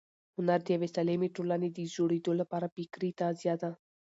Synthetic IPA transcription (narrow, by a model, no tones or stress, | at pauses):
hʊnaɾd̪iaʋesalemiʈolanid̪izoɽed̪olɐpaːɾabikɾit̪azjaːd̪a